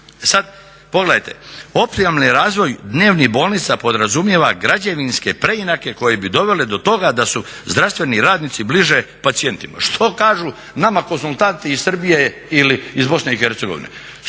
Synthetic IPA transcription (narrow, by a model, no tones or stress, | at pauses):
esad̪ | po̞ɡle̞d̪ajt̪e̞̰o̞pt̪imomniɾaːzʋo̞jd̪ne̞ːʋnibo̞ːlˠnit̪sapo̞d̪ɾazumjeʋaɡɾad͡ʑeʋinske̞pɾe̞inake̞ko̞jebid̪o̞ʋe̞led̪o̞t̪o̞ɡad̪asuzd̪ɾast̪ʋe̞niɾaːd̪nit̪sibliʒe̞pat̪sije̞nt̪ima̰ʃt̪ʰo̞kaːʒu | namakonsulˠt̪ant̪iːssr̩bije | iliːzbo̞sneixeɾt̪se̞ɡo̞̰ʋḭnḛ